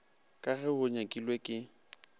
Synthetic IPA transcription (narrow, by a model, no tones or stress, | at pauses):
kʼaɣɛhʊɲakʼilwekʼɪ